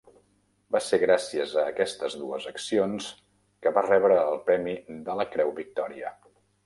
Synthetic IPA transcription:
baseɣɾasiəzəːkɛst̪əzðuəzəksions | kəβarɛβɾəːlˠpɾɛmid̪ələkɾɛwβik̚t̪ɔɾiə

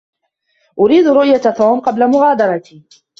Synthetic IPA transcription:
ʔʊɾiːd̪ɾʊʔjat̪uːmqɑblamʊɣaːd̪ɑɾˤɑt̪iː

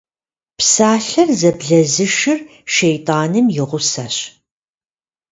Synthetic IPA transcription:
psaːɬɐrzɐbɮɐzɨʃɪr | ʃejtʼaːnɨmjɪʁʷʊsaːɕ

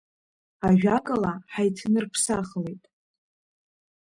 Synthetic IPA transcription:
aʒᶣakʼalaħajtʰnɨrpʰsaχlejtʼ

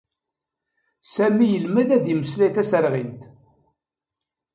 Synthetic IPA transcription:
sæmijəlmæðæðjəməslæθæsəɾʁint̪

